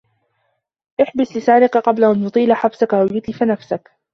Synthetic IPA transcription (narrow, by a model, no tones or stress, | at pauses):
ʔɪħbɪslɪsaːɾɪqaqɑblaʔant̪ʊt̪ˤiːlaħabsakʔawjʊt̪lɪfanafsak